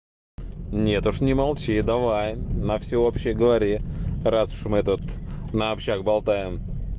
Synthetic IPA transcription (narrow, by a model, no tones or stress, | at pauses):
nʲe̞t̪ʊʂnʲɪmalˠt͡ɕid̪avajnəfsʲɪopɕɪjəɡəvɐɾʲirasʊ̥ʂmɨɛt̪ət̪nəːpɕt͡ɕakbɐlˠt̪ajɪm